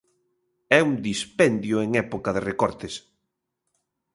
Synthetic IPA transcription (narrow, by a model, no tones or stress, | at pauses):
ɛuŋd̪ispɛnd̪jʊeŋɛpokaðerekɔɾt̪es